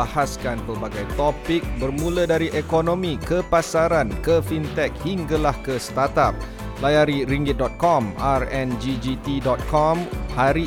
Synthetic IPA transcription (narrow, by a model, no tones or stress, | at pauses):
ahaskanpərbaɡajt̪opik̚bərmũlədaɾiʔekonõmĩkəpasaɾankəfint̪ɛk̚hiŋɡalahkəsə̥t̪at̪ap̚ | lajaɾiɾiŋɡɪt̪̚dɔt̪̚kɔmarɛnd͡ʒid͡ʒit̪idɔt̪̚kʰɔmhaɾi